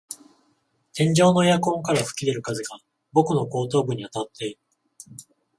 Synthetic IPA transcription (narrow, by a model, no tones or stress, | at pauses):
t̪ʰẽ̞ɲ̟d͡ʑo̞ːno̞ejakõ̞ŋkaɾaɸɯ̟̥kʲid̪e̞ɾɯ̟kazɨɡa | bo̞kɯ̟no̞ko̞ːt̪̬o̞ːbɯ̟ɲ̟ːiat̪at̪ʰːe̞iɾɯ̟